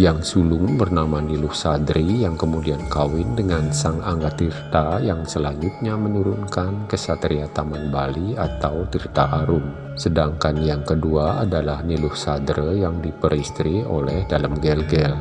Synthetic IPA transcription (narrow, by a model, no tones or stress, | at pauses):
jaŋsulʊŋbərnamanilʊhsadɾijaŋkəmudiankawɪndəŋansaŋaŋɡat̪irt̪ajaŋsəlaɲd͡ʒut̪̚ɲamənuɾunkankəsat̪ɾiat̪amanbaliat̪awt̪irt̪aʔaɾʊm | sədaŋkanjaŋkəduaadalahnilʊhsadɾəjaŋdipəɾist̪ɾio̰lɛhdalamɡɛlɡɛl